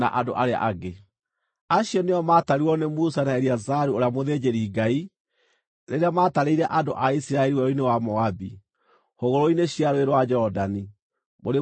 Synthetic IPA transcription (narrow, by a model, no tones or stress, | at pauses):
a̰ʔado̰ʔaɾea̰ʔaɡe | aɕiɔneɔmataɾuɔnemusanaɛɾiazaɾuoɾeamoðeːd͡ʑeɾiːɡai | ɾeɾeamataɾeiɾɛʔado̰ʔaisiɾaɛɾiwɛɔinewamɔabi | hoɣoɾoineɕiaɾoweɾwad͡ʒɔdani | moɾe